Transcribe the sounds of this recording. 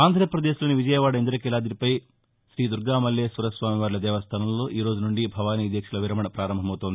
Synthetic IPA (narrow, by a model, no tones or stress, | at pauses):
aːnd̪ʱɾɐjɐpɾɐd̪eʃloːniʋid͡ʒɐjɐʋaːɽɐend̪ɾɐkɛlaːd̪iɾipɐj | ʃɾiːd̪uɾɡaːmɐljeːsɐɾɐsʋaːmiʋaːɾlɐd̪ɛːʋɐst̪ʰɐnɐmlo̞ːʔiːɾo̞ːd͡ʒunuɳɖibʱɐʋaːniɐd̪jɐkʂulɐʋiɾɐmɐɳɐpɾaːɾɐmbʱɐmɐwut̪ond̪i